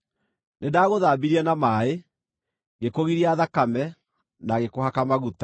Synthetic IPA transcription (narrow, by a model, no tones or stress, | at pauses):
nedaːɣoðaːbiɾiɛnamaːe | ɡekoɣiɾiaðakamɛ | naɣekohakamaɣuta